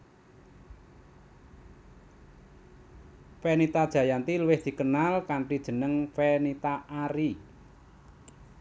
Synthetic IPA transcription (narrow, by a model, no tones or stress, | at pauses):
fɛnit̪ad̥ʒ̥ä̤jant̪ilwɪhd̪̥i̤kənalkaɳʈid̥ʒ̥ə̤nəŋfɛnit̪aʔaɾi